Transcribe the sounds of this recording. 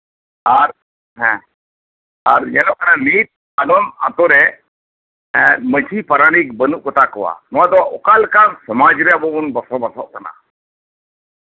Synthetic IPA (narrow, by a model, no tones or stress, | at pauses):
aɾ | ɦɛ̃ | aɾjɛlɔʔkananit̪̚ | alɔna̰t̪ɔɾɛ | mət͡ʃʰipəɾaɽ̃ikbənuʔkɔt̪akɔwa̰nɔwad̪ɔʔɔkalkansɔmad͡ʒɾɛjabɔbunbəsɔbəsɔʔkana̰